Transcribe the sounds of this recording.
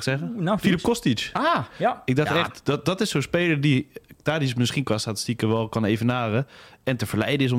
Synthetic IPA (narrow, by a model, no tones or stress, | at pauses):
sɛɣəfilipkɔstit͡ʃaɪɡ̚daxtɛxtdɔdɔtɪssospeːlˠəditaːdismɪsxinkʋastatəstikəʋɛlˠkɔneːvənaːrəɛntəfəɹlɛ̰jdəɪs̬o